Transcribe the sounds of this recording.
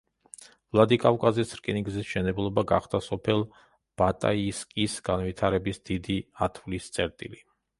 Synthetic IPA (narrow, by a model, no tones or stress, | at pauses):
vlˠad̪ikʼafkʼazisɾkʼiniɡzisʃɛnɛblˠɔbaɡaχd̪̥asɔpʰɛlˠ | b̥at̪ʼa̰iskʼisɡanvit̪ʰaɾɛbisd̪̥id̪iat̪ʰvlist̪sʼɛɾt̪ʼḭli